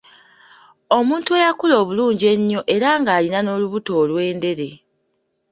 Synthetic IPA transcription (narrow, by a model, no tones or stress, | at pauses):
o̞muːntuejakulo̞ːβuluːɲɟe̞ɲːo̞ʔe̞ɾaŋɡaːlinano̞luβuto̞ːlwe̞ːnde̞ɾe̞